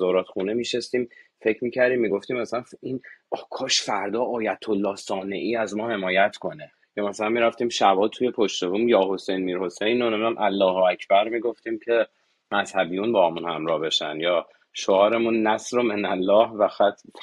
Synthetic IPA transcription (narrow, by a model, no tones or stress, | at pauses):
zɒːɾɒːt̪xuːnemiːʃest̪iːmfe̞cʰmiːcʰæɾd̪iːmːiːɡo̞ft̪iːmːæsælænfinːkʰɒːʃfæɾd̪ɒːʔɒːjæt̪ʰo̞lːɒːhsɒːne̞ʔiːæzmɒːhe̞mɒːjæt̪ʰkʰo̞ne | jɒːmæsælænmiːɾæft̪iːmʃæbɒːt̪ʰuje̞pʰo̞ʃt̪e̞vuːmjɒːɦo̞sejnmiːɾho̞sejnonemnæmʔælːɒːhoæcʰbæɾmiːɡo̞ft̪iːmcʰe̞ | mæzhæbijunbɒːhɒːmunhæmɾɒːhbe̞ʃæ̰njɒː | ʃoɒːɾe̞munːæsɾomenælːɒːhvæxæt̪ʰ